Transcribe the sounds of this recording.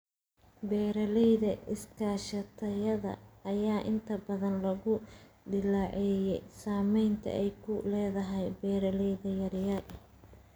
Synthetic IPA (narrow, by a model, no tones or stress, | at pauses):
bɛːɾɐlɛjðɐɪskʰaːʃɐt̪ʰɐjɐðɐ̰ʔːjaːʔɪnt̪ʰɐbɐðɐnlɐɣʊd̪ɪlaʕɛjɛjsaːmɛjnt̪ʰɐ̰ʔɛjkʰʊlɛːðɐɦɛjbɛːɾɐlɛjðɐjɐɾjɐʔ